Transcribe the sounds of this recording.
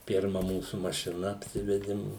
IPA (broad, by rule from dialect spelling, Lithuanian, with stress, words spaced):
ˈpʲɪrmɐ ˈmuːsʊ mɐʃʲɪˈnɐ ɐpʲˈsʲɪʋʲɛdʲɪm